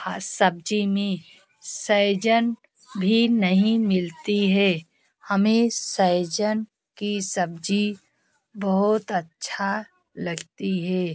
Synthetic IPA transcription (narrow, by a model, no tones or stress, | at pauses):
asɐb̚d͡ʒimẽ | səd͡ʒən | bʱinɐɦĩmɪlt̪iɦɛː | hɐmẽsɐjd͡ʒən | kisɐb̚d͡ʒi | bɐɦʊt̪ətːʃʰa | lɐɡt̪iɦɛː